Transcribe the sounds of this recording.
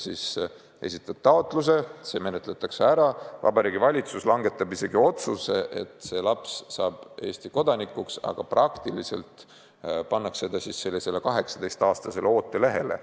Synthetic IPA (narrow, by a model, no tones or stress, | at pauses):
sis | e̞̰sit̪ːˑɑb̥̚t̪ɑo̞t̪ːˑlus̬e̞se̞ːme̞net̪ˑlet̪ːˑɑkseæɾɑvɑ̰bɑɾiːɡivɑlʲit̪suslɑŋɡ̥e̞t̪ːˑɑbise̞ɡ̥io̞t̪suse̞ʔḛt̪ːˑse̞lɑpssɑːb̥e̞ːsʲt̪iko̞d̪̥ɑnikːuksɑ̰ɡ̥ɑprɑkt̪ilise̞̰lt̪ˑ | pɑnːɑksse̞d̪ɑsisːe̞lːise̞lːe̞kɑɦe̞ksɑ̥d̪̥e̞jst̪ɑːst̪ɑse̞leo̞ːt̪ːˑe̞le̞ɦe̞le̞̰